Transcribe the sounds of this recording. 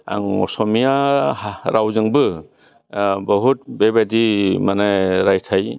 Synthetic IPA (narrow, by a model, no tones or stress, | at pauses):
a̰ŋɔ̰sɔmija | ɾʔawzɯŋbɯ | bɐɦut̚bebadimanajɾajtʰaj